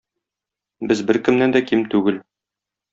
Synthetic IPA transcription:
bɘzbɘɾkɘ̆mnænd̪ækimt̪ʉɡɘl

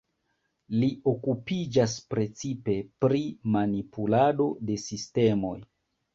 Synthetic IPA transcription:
lio̞kupid͡ʒas̬pɾe̞t͡sipe̞pɾimanipulado̞de̞siste̞mo̞j

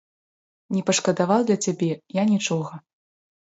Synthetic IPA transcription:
nʲɛpɐʂkɐd̪avawd̪lʲɐt͡sʲabʲɛjanʲit͡ʂɔɣɐ

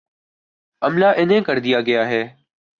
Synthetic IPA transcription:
əmlaːʔɪnɦẽːkəɾd̪ɪjaːɡɪjaːɦeː

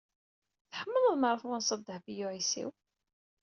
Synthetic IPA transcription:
θħəmːəðəðməɾˤəfwænsˤɑd̪ːəħbijuʕisḭw

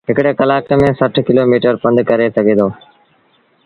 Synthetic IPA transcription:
ɦɪkɽeːkəlaːkeːmẽːsəʈʰkɪloːmiːʈəɾpə̃nd̪kəɾeːsəɡʱeːd̪oː

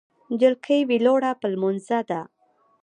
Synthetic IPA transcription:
d͡ʒəlkʰəjwiloɽapəlmonzad̪a

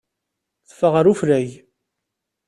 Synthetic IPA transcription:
θə̥fəʁəɾuflæj

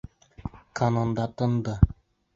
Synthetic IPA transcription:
kʰanond̪ɑt̪ɤ̆nd̪ɤ

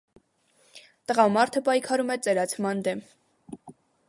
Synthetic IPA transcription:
t̪əʁɑmɑɾt̪ʰəpɑjkʰɑɾumɛt͡sɛɾɑt͡sʰmɑnd̪ɛm

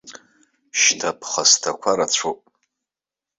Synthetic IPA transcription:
ʃtʰapʰχastʰakʷʰaɾat͡ɕʷʰopʼ

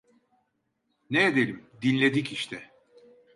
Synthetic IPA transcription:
need̪elʲimd̪inʲlʲed̪iciʃt̪ʰɛ

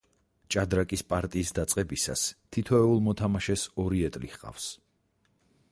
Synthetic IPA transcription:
t͡ʃʼad̪ɾakʼispʼaɾt̪ʼiːsd̪at̪sʼqʼɛbisa̰st̪ʰit̪ʰɔɛulˠmɔt̪ʰamaʃɛsɔɾiɛt̪ʼlihqʼa̰fs

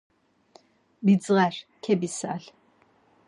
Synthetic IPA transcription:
bid͡zɨʁarkʰɛbisa̰ːɬ

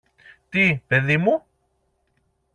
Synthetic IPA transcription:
t̪ipeðimu

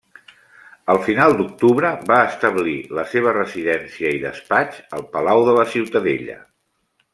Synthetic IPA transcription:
əlˠfinalˠd̪uk̚t̪uβɾəβaəst̪əβliləseβ̞ərəziðɛnsiəiðə̰spat͡ʃəlˠpəlawðələsiwt̪əðḛʎə̰

